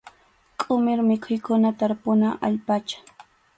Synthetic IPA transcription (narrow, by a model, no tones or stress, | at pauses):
kʼʊmɪɾmɪkʰʊjkʊnat̪aɾpʊnaʔa̰ʎpat͡ʃḁ